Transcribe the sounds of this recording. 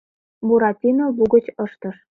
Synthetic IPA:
buɾɑt̪ʲinobuɣə̆t͡ɕɤʃt̪ɤʃ

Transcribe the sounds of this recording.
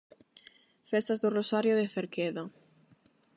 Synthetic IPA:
fɛst̪azðʊrosaɾjoðeθeɾkeðo

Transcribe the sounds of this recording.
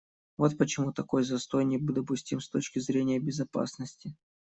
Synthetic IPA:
vo̞t̪pət͡ɕɪmut̪ɐko̞jzɐst̪o̞jnʲɪbɨd̪əpʊsʲtʲimst̪o̞t͡ɕkʲɪzɾʲenʲɪjəbʲɪzɐpa̰snəsʲtʲɪ

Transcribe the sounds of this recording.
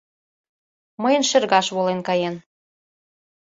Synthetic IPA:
məjə̆nʃĕrɣɑʃβolenkɑjen

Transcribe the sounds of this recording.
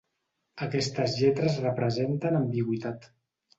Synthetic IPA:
əkɛst̪əzʎɛt̪ɾəzrəpɾəzent̪ənəmbiɣwit̪at̪

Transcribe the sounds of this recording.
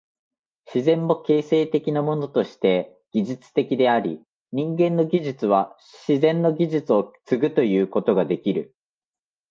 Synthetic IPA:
ɕizẽ̞mːo̞ke̞ːse̞ːt̪e̞kʲinamo̞no̞t̪o̞ɕi̥t̪e̞ | ɡ̥ʲiʑɨt͡sɨ̥t̪e̞kʲid̪e̞aɾʲi | ɲ̟ĩŋɡẽ̞nːo̞ɡʲiʑɨt͡sɨβ̞a | ɕizẽ̞nːo̞ɡʲiʑɨt͡sɨo̞t͡sɨɡɯ̟t̪o̞jɯ̟ːko̞t̪o̞ɡad̪e̞kʲiɾɯ̟

